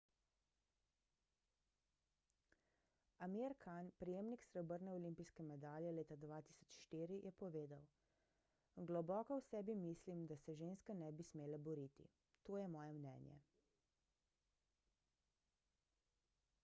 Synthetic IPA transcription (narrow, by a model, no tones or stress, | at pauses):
amiɾkʰanpɾijeːmniksɾɛɔbəɾnɛɔlimpijskɛmɛd̪aːljɛleːt̪ad̪ʋaːt̪iːsɔt͡ʃʃt̪iːɾijʔɛpɔʋeːd̪aw | ɡlɔbɔːkɔwsɛːbimislimd̪asɛʒeːnskanɛbismeːlabɔɾit̪ḭ | t̪oːjɛmɔːjɛmnɛ̰ːnjɛ̰